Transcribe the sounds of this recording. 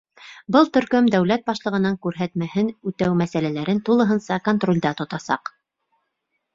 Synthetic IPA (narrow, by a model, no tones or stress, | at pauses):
bɤlˠt̪ɵ̆ɾkɵmd̪æwlæt̪̚bɑʃlˠɤ̆ʁɤ̆nɑŋkʉɾɦæt̪mæhɘnʉt̪æwmæsælælæɾɘnt̪ulˠɤ̆ɦɤnsɑkont̪rolʲd̪ɑt̪ŏt̪ɑsɑ̰q